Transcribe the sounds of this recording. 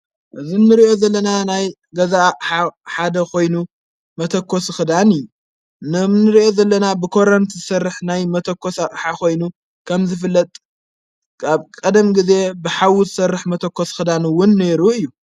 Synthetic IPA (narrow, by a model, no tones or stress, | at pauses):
ʔɨzinːɨɾiʔo̞zɐlːɐnanaj | ɡɐzaħaħad̪ɐkʰo̞jnu | mɐt̪ʰɐkʰːosxɨd̪anɨju | nɨmnɨɾiʔo̞zɐlːɐnabɨkʰo̞ɾɐnt̪ʰzɨsɐrːɨħnajmɐt̪ʰɐkːosaʔʼħako̞jnu | kʰɐmzɨfɨlːɐt̪ʼ | kʰaβkʼɐd̪ɐmɡize̞bɨħawuzɨsɐrːɨħmɐt̪ʰɐkːosxɨd̪anwʊnːe̞ɾuɨjːu